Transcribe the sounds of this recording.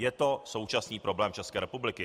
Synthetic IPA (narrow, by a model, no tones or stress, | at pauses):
jɛt̪o̞so̞wt͡ʃasniːpɾʔo̞blɛːmt͡ʃɛskɛːɾɛpublɪkɪ